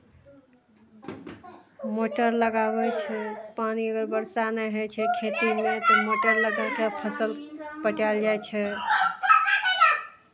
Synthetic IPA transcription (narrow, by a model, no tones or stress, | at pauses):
moʈəɾləɡabɛt͡ʃʰɛpaniəɡəɾbəɾsanəɦet͡ʃʰɛkʰet̪imet̪ɔmoʈəɾləɡalkepʰəsəlpəʈald͡ʒat͡ʃʰɛ